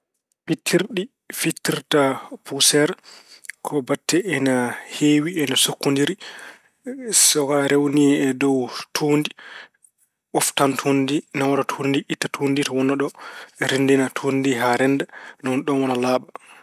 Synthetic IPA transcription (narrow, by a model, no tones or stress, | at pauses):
pitʰːiɾɗi | fitːiɾtapusɛɾkʰɔbatʰːɛɛnaheːwiɛnasokːundiɾi | sɔkaɾewniɛdɔwtʰuːndi | ɔftantʰundinawɔnatʰundiʔitːatʰuːnditɔwɔnːaɗɔɛɾindinatʰundiɦaɾɛndanɔnɗɔnwɔnalaːɓa